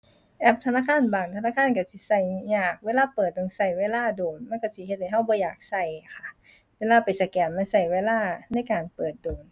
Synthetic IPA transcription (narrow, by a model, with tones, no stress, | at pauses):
ʔɛː˧˩p̚t̪ʰa˧naː˧˥˨kʰaː˧˥˨nbaː˨˩ŋt̪ʰa˧naː˧˥˨kʰaː˧˥˨nka˧˩si˧˩sa˧˩jɲaː˧˩k̚weː˧˨laː˧˥˨pɤː˨˩t̪̚do˧˩ŋsa˧˩jweː˧˥˨laː˧˥˨doː˨nma˧˥˨nka˧˩si˧˨he˧t̪̚ha˧˩jɦa˧˥˩wbɔː˧˦jaː˨˩k̚sa˧˩jkʰa˧˩ | weː˧˥˨laː˧˥˩pa˨jsa˧˩kɛː˨˩nma˧˥˨nsa˧˩jweː˧˥˨laː˧˥˩na˧˥˨jkaː˨˩npɤː˨˩t̪̚doː˨˩n